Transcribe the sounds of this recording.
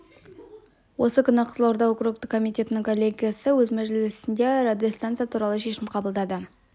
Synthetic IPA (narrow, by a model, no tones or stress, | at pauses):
wo̞səkʲʰʏnəqʰə̥zlˠowɾd̪ɑwokruk̚t̪əkʰːo̞mijt̪ʲe̞t̪nɪŋkʰo̞lʲːe̞ɡʲijasəwɵzmæʒɪllɪsɪnd̪e̞rad̪jost̪ant̪sɨjat̪ʰuɾɑlˠəʃe̞ʃɪmqʰɑbəlˠd̪ɑd̪ə